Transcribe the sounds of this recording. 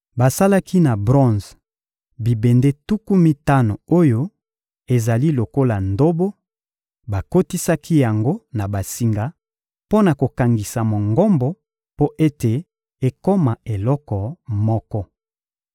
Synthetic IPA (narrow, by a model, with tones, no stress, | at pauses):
ba˨sa˦la˦ki˦na˨bʁɔ̃˦˨z | bi˨be˨nde˦tu˦ku˦mi˦ta˦no˨o˦jo˦ | e˨za˨li˦lo˨ko˦la˨ndo˦bo˦ | ba˨ko˦ti˦sa˦ki˦ja˨ŋɡo˦na˨ba˨si˨ŋɡa˦ | po˦na˨ko˨ka˨ŋɡi˨sa˨mo˨ŋɡɔ˦mbɔ˦ | po˦ʔe˦te˨ | e˨ko˦ma˨e˨lɔ˦kɔ˨mɔ˦kɔ˦